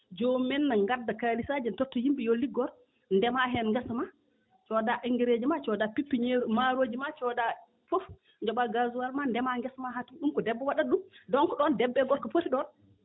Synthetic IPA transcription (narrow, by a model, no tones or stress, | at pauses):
d͡ʒomɛnːaŋɡadːakalisad͡ʒɛntɔtːɔjimɓijolːiɡɔɾ | ndɛmaɦɛnŋɡɛsma | t͡ʃɔdaʔiŋɡɛɾed͡ʒimat͡ʃɔdapipːiɲeɾumaɾoːd͡ʒimat͡ʃɔda | fɔf | d͡ʒɔɓaɡazuwalmandɛmaŋɡɛsmaɦatunɗumkɔdɛbːɛwaɗaɗumdɔŋkɔɗɔndɛbːɛɡɔɾkɔpotiɗɔn